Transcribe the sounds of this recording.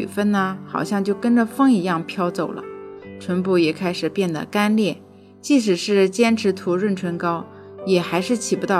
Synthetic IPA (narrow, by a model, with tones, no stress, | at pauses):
y˨˩fə˥nnə˨xɑ˨˩ʊɕjɑ˥˧ŋt͡ɕjo˥˩ʊkə˥nʈ͡ʂə˨fɤ˥ŋi˧˥jɑ˥˩ŋpʰjɑ˥ʊt͡so˨˩ʊlə̰˩˦ʈ͡ʂʰwə˧˥npu˥˩jɛ˨˩kʰa˥ɪʂɻ̩˨˩pjɛ˥˩nd̪ə̰˩ka˥nljɛ˥˩ | t͡ɕi˥˩ʂ̬ɻ̩˨˩ʂɻ̩˥˩t͡ɕjɛ˥nʈ͡ʂʰɻ̩˧˥t̪ʰu˧˥ɻwə˥˩nʈ͡ʂʰwə˧˥nkɑ˥ʊ | jɛ˨˩xa˧˥ɪʂɻ̩˥˩t͡ɕʰi˨˩pu˧˥t̪ɑ˥˩